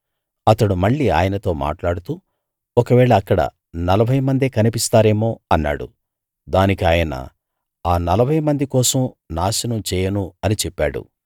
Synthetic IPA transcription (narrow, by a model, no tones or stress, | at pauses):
ɐt̪ɐɽumɐɭːia̰ːjɐnɐt̪o̞ːma̰ːʈlaːɽut̪uː | ɔkɐʋɛːɭɐːkːɐɽɐ̰ | nɐlɐbʱɐjɐmɐnd̪eːkɐnipist̪aːɾe̞ːmo̞ːɐnːa̰ːɽṵ | d̪aːnikiaːjɐnɐ̰ | aːnɐlɐbʱɐjɐmɐnd̪ikɔːsɐmnaːʃinɐmt͡ʃɛːjɐnuɐnit͡ʃɛpːaːɽṵ